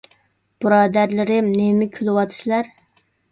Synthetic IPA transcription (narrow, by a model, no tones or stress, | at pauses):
b̥ɨɾɑːd̪æɾlɪɾɪmnemɪkʲʰylɪwɑt̪ʰɨ̥sɪlæɾ